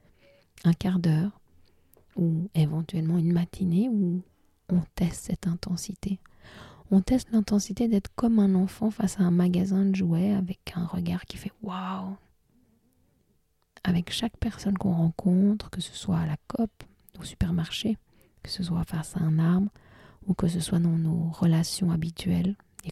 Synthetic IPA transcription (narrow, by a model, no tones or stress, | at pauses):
ɛ̃kaʁd̪œːʁ | uevɑ̃t̪ɥɛlmɑ̃ynmat̪ʰineu | ɔ̃t̪ɛst̪sɛt̪ɛ̃t̪ʰɑ̃sit̪e | ɔ̃t̪ɛst̪lɛ̃t̪ɑ̃sit̪ed̪ɛt̪χkɔmɛ̃nɑ̃fɑ̃fasaɛ̃maɡazɛ̃ʒuɛavɛkʰɛ̃ʁəɡaʁkʲi̥fɛwaw | avɛkʃakpɛʁsɔnkɔ̰̃ʁɑ̃kʰɔ̃t̪χkəsə̥swaːlakɔp̪ | osy̥pɛʁmaʁʃe | kə̥səswafasaɛ̃naʁbʁ | ukəsəswad̪ɑ̃noʁəlasjɔ̃abit̪ʰɥɛl | e